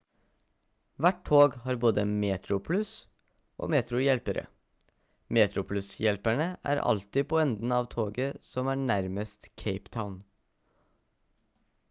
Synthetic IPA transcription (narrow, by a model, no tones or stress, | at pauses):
ʋæʈ̚tʰoːɡhɑːɾboːd̪əmeːt̪ɾʊpʰlʉs | ʔo̰ːmeːt̪ɾʊjɛlpəɾʔə̰ | meːt̪ʰɾʊpʰlʉsjɛlpæɳəʔæ̰ːɾɑ̰lt̪ɪpʰoːɛnd̪n̩ɑːʋt̪ʰoːɡəsɔmæːɳæɾməst̪kʰeɪpt̪ʰaʊn